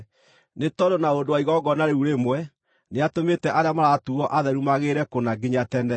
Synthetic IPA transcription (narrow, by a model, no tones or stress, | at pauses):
netɔdonaodowaiɣɔɡɔnaɾeuɾemwɛ | neatometɛʔaɾeamaɾatuɔʔaðɛɾumaɣeɾɛkonaɡeɲatɛnɛ